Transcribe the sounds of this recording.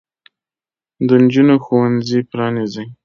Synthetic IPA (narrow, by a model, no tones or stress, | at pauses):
d̪ənd͡ʒunoxowanzipɾɑnizaj